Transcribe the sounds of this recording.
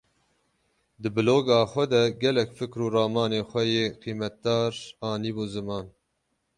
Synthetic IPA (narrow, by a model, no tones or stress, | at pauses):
d̪ɨbɨloːɡɑːxʷɛd̪ɛɡɛlɛkfɨkɾuːɾɑːmɑːneːxʷɛjeːqʰiːmɛt̪̚d̪ɑːɾɑːniːbuːzɨmɑːn